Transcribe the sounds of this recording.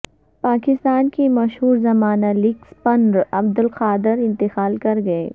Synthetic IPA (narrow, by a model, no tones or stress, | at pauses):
paːkɪst̪aːnkemɐʃɦuːɾzɐmaːnalɪkspɐnɾɐbd̪ɪlqaːd̪ɪɾɪ̃nt̪ɪxaːlkɐɾɡɐeː